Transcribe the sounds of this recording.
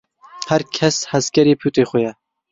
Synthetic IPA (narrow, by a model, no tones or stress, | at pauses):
hɛɾkʰɛshæzkʲɛɾiːpʰuːt̪ʼeːxʊjɛ